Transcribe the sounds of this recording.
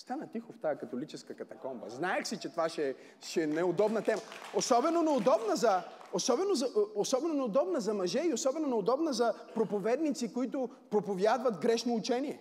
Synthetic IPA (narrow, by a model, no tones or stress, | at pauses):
st̪anɐt̪ixʊft̪aəkɐt̪olit͡ʃɛskɐkɐt̪ɐkɔmbə̰znaɛxsit͡ʃɛt̪ovaʃɛ | ʃɛnɛod̪ɔbnɐt̪ɛmɐosɔbɛnonɛod̪ɔbnəzɐ | osɔbɛnozɐosɔbɛnonɛod̪ɔbnəzɐmɐʒɛiosɔbɛnonɛod̪ɔbnəzɐ | pɾopovɛd̪nit̪sikoit̪ʊ | pɾopovjad̪vɐt̪ɡɾɛʃnoːt͡ʃɛniɛ